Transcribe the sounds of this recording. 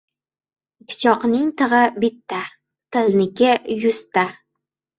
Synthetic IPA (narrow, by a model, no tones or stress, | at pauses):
pʲʰɪ̥t͡ʃʰɒqnɪŋt̪ʰɨʁɨbɪt̪ːa | t̪ʰɪlnɪkʲɪjʊst̪a